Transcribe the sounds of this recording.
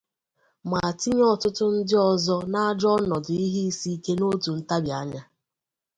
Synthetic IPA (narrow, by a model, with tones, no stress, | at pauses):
ma˨a˨ti˦ɲ˦ɔ˦tʊ˦tʊ˦n̩˦dɪ˦ɔ˨zɔ˦na˦d͡ʒɔ˦nɔ˨dʊ˨i˦ɦi˦i˦si˦ke˦no˦tu˨n̩˦ta˦bja˨˦ɲa˦